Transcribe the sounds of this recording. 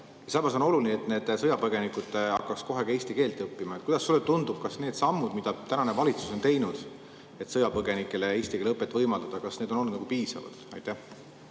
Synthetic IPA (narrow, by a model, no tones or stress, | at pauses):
jɑsɑmɑs̬o̞no̞lulinet̪ne̞ːd̪̥sɤjɑpɤɡ̥e̞nikud̪̥ɑ̰kːɑksko̞ɦekeːsʲt̪ike̞ːlt̪ːˑɤpːimɑt̪kujd̪ɑsːulːet̪und̪ub̥̚kɑsne̞ːd̪sɑmːud̪mid̪̥ɑt̪ænɑne̞vɑlit̪suso̞nt̪e̞jnud̪̥ | e̞t̪sɤjɑpɤɡe̞nikːˑe̞leeːst̪ikelɤpːˑet̪ːˑvɤjmɑld̪ɑd̪̥ɑkɑsned̪o̞nonːud̪nɑɡupiːsɑ̰vɑ̰d̪̥ɑ̰jt̪ːˑæh